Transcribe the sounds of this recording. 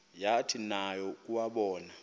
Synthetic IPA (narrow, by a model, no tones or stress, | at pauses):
jatʰinajɔk̬ʼuwaɓɔːna